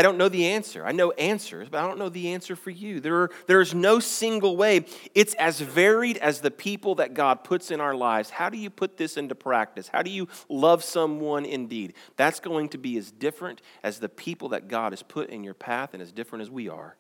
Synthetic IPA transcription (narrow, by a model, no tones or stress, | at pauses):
aɪõʊ̃nːoʊðiæ̃nsə̰˞ʔa̰ɪnoʊʔæ̃nsə̰˞zbɾaɪɾõʊ̃nːoʊðiæ̃nsə˞fə˞jʉðə˞ðə˞ɨznoʊsɪ̃ŋɡl̩ˠweɪɨtsɨzvɛɹiɾɨzðɨpʰipl̩ˠðɨt̚ɡ̥ɑd̚pʰʊtsɨ̃ɾ̃naʊə˞laɪvz̥haʊɾɨjɨpʰʊt̪̚ðɪsɪ̃ntupʰɹ̥æk̚tɨsha̰ʊɾɨjɨlʌv̥sʌ̃mwʌ̃nɪ̃ndid̪̚ðætsɡ̥oʊɪ̃ŋtʰɨbiɨzdɪfɹɨ̃ntʔɨzðɨpʰipl̩ˠðɨ̰t̚ɡ̥ɑ̰ɾɨz̥pʰʊɾɪ̰̃njə̰˞pʰæθɨ̃nɨzdɪfɹɨ̃ñɨzwiə̰˞